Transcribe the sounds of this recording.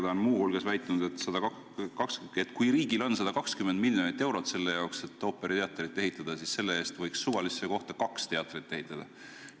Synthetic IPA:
d̪ɑonmuːhulɡ̥esvæjt̪ːˑɑnud̪et̪sɑd̪̥ɑɑ | kɑkset̪ːˑkujɾiːɡilo̞nsɑd̪ɑkɑkskymend̪milʲjo̞nit̪ːˑewɾo̞t̪se̞lːe̞jɑokse̞t̪ːˑo̞ːpːeɾit̪e̞ɑt̪ːˑrit̪ːˑe̞ɦit̪ːˑɑd̪̥ɑsisse̞lːee̞ːst̪vɤ̞jksːuvɑlisːeko̞ht̪ɑkɑkst̪e̞ɑt̪ːrit̪ːe̞ɦit̪ˑːɑd̪̥ɑ

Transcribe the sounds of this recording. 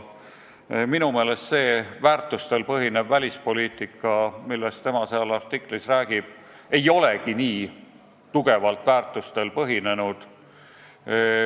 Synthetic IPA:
minume̞ːle̞st̪se̞ːvæːrt̪ːˑust̪e̞lpɤɦine̞bvælʲispo̞lʲiːt̪ˑikːˑɑmilːest̪e̞mɑseɑlɑrt̪ikˑlisræːɡ̥ib̥ | e̞jo̞le̞kiniː | t̪uɡe̞vɑlt̪ˑvæːrt̪ˑust̪e̞lpɤɦine̞nud̪̥

